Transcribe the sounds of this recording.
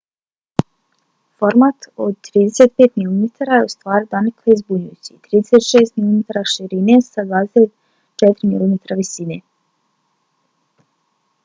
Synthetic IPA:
foɾmat̪o̰d̪̚t̪ːɾiːd̪eset̪̚pet̪milumet̪ʰaɾajeust̪ʋaːɾid̪anekʰleizbuɲujut͡ɕit̪ɾiːd̪eset̪ʃeːst̪milˠomet̪aɾaʃiɾinesad̪vaːd̪eset̪ | t͡ʃɛt̪ɾimḭlomet̪ɾaʋisine

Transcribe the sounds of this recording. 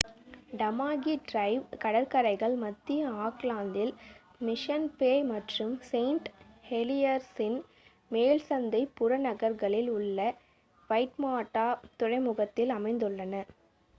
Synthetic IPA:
ɖɐmaːɣiɖɾɐɪʋkɐɽɐɾkɐɾɐɪɣɐɭmɐt̪ːijɐaːklaːnd̪ɪl | mɪʂɐnpeːmɐʈrɯmseɪɳʈ | hɛlɪjɐɾsɪn | meːlsɐnd̪ɐɪpːʊɾɐnɐɣɐɾɣɐɭɪlʊɭːɐ | ʋɐɪʈmaːʈːaːt̪ʊrɐɪmʊɣɐt̪ːɪlɐmɐɪnd̪ɯɭːɐnɐ

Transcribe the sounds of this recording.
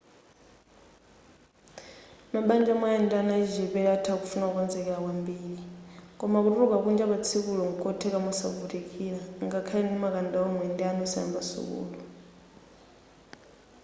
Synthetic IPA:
maɓand͡ʒamajɛndianaiʒɛβɛatʰakufunaukɔnd͡zɛkɛɺakwambiːɺikʼɔmak̬uturukak̬und͡ʒaɓat͡sʰikulɔŋɡukʼɔtʰɛkamasa̰butikʰʼiɺaŋɡakʰalɛndimak̬ʼandaɔmwɛndɛanɔsaa̰mbasṵk̬ṵːlu

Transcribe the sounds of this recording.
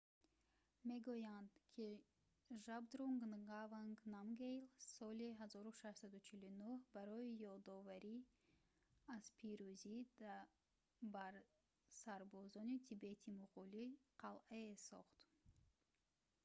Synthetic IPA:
me̞ɡujand̪kʰi | ʒabd̪ɾuŋɡnɡavaŋɡnamɡejlsɔliɦazɔɾuʃaʃsad̪ut͡ʃʰilunuhbaɾɔijɔd̪ɔvaɾi | az̥pʰiɾuzid̪ | baɾ | saɾbɔzɔnit̪ʰibet̪ʰimuʁuliqʰalʔaesɔ̰χt̪

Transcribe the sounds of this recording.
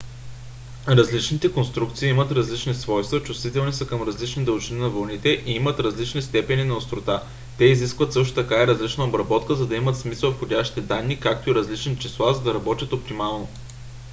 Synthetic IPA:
ɾɐzlit͡ʃnit̪ɛkonst̪ɾuk̚t̪siːimət̪ɾɐzlit͡ʃnisvɔjst̪vɐt͡ʃust̪vit̪ɛlˠnisəkəmɾɐzlit͡ʃnid̪ɐlˠʒininɐvɐlˠnit̪ɛʔiimət̪ɾɐzlit͡ʃnist̪ɛpɛninɐost̪ɾot̪a | t̪ɛiziskvət̪sɤʃ̬t̪o̥t̪ɐkaiɾɐzlit͡ʃnɐobɾɐbɔt̪kəzɐd̪ɐimət̪smisəlˠfxodʲaʃt̪i̥t̪ɛd̪anːikak̚t̪oiɾɐzlit͡ʃɛnit͡ʃislˠazɐd̪ɐɾɐbɔt̪ʲət̪op̚t̪imalˠno

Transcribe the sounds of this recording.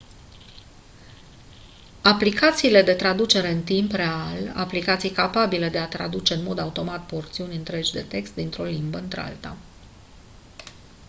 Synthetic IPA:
aplikat̪siːle̞d̪e̞t̪ɾad̪ut͡ʃe̞ɾe̞ɨnt̪impre̞ala̰plikat̪sijkapabile̞d̪e̞at̪ɾa̰d̪ut͡ʃe̞ɨnmo̞d̪aut̪o̞mat̪̚po̞rt̪siunʲɨnt̪ɾe̞d͡ʒʲd̪e̞t̪e̞kst̪̚d̪int̪ɾo̞limbəɨnt̪ɾḛa̰lt̪a̰

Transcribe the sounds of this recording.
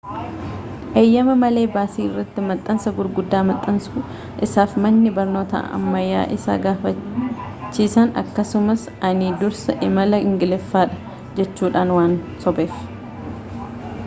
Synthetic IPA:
ʔeːjːɐmɐmɐle̞ːbaːsiːɪrːɐt̪ːɪmɐt̪ʼːɐnsɐɡʊɾɡʊd̪ːaːmɐt̪ʼːɐnsʊ | ʔɪsaːfmɐnːɪbɐɾno̞ːt̪ɐ̰ɐ̰mːɐjːa̰ːʔɪsa̰ːɡaːfɐ | t͡ʃːiːsɐnɐ̰kːɐsʊmɐs | ɐnid̪ʊɾsɐʔɪmɐlɐɪŋɡɪlɛfːaːᶑɐ̥ | d͡ʒɛt͡ʃːuːᶑaːnwaːnsɔbeːf

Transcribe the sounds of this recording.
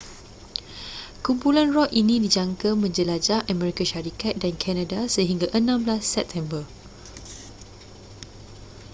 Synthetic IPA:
kumpulanrɔʔinĩdid͡ʒaŋkamə̃ɲd͡ʒəlad͡ʒaʔamɛɾikaʃaɾikat̪̚dankʰɛnadasəɦiŋɡaʔənãmblasːɛp̚t̪ʰɛ̃mbə

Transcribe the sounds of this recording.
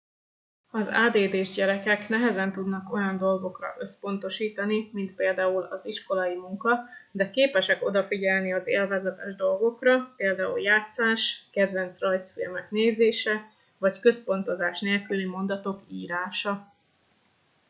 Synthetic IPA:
ɒza̰ːd̪eːd̪eːʒɟɛɾɛkɛkn̪ɛɦɛzɛnt̪ud̪nɒko̞jɒnd̪o̞lɡo̞krɒ̰ʔø̞spo̞n̪t̪o̞ʃiːt̪ɒnimint̪̚peːld̪aːulɒziʃko̞lɒimuŋkɒd̪ɛkeːpɛʃɛko̞d̪ɒfiɟɛlniɒzḛːlvazɛt̪ɛʒd̪o̞lɡo̞krɒpeːld̪aːṵljaːt̪saːʃkɛd̪ʋɛnt̪srɒjsfilmɛkneːzeːʃɛ | vɒckø̞spo̞nt̪o̞zaːʃneːlkylimo̞nd̪ɒt̪o̞kiːɾaːʃɒ

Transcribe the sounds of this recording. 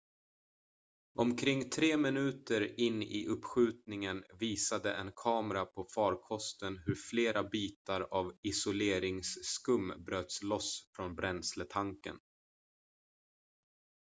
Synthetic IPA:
ʔɔmkʰɾɪŋːt̪ʰɾeːmɪnʉ̟ːt̪əɾɪnːɪ̰ʔɵpːɧʉ̟ːt̪nɪŋənviːsad̪əʔɛnkʰɑːmɾapʰɔfɑːɾkʰɔst̪ənɦɵɾfleːɾʔabiːt̪aɾavɪsʊleːɾɪŋsːkɵmːbɾøːt̪slɔsfɾɔnbɾɛnslət̪ʰaŋkə̰n

